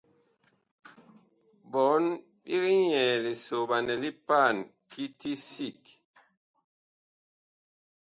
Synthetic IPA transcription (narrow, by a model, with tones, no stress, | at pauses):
bɔ˨˦n | bi˦ki˦ɲɛ˨li˨so˨ba˨nɛ˨li˦pa˦˨nki˦ti˦si˦˨k